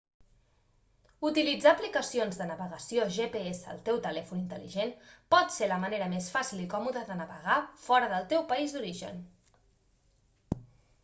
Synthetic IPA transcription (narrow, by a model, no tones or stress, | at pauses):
ut̪ilid͡zaːplikəsionzðənəβəɣəsioʒepeesə̰ːlˠt̪ɛwt̪əlɛfunint̪əlḭʒenpɔt̪seɾləməneɾəmesfasilikɔmuðəðənəβəɣafɔɾəðəlˠt̪ɛwpəizd̪uɾiʒə̰n